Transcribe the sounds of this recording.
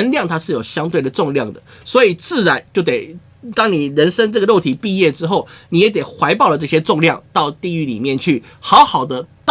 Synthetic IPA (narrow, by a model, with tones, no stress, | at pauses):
ə˥nljɑ˥˨ŋt̪ʰa˥ʂɻ̩˥˩jo˨˩ʊɕjɑ˥ŋt̪we˥˩d̪ə˩ʈ͡ʂʊ˥˧ŋljɑ˥˩ŋd̪ə˩ | swɔ˧˥i˨˩t͡sɹ̩˥˩ɻa˧˥nt͡ɕjo˥˩ʊt̪e˨˩ɪ | t̪ɑ˥ŋni˨˩ɻə˧˦˥nʂə˥ŋʈ͡ʂɤ˥˩ɡə˩lo˥˩ʊt̪ʰi˨˩pi˥˧jɛ˥˩ʈ͡ʂɻ̩˥xo˥˩ʊni˨˩jɛ˧˥t̪e˨˩ɪxwa˧˥ɪpɑ˥˩ʊlə˩ʈ͡ʂɤ˥˩ɕjɛ˥ʈ͡ʂʊ˥˧ŋljɑ˥˨ŋt̪ɑ˥˧ʊt̪i˥˧y˥˩lḭ˨˩mjɛ˥˨nt͡ɕʰy˥˩ | xɑ˧˥ʊxɑ˨˩ʊd̪ə˦t̪